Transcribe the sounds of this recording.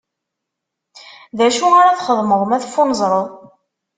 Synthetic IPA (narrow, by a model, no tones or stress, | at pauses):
ðæʃuaɾaθχəðˤməðˤəmæθfːʊnəzˤɾˤəðˤ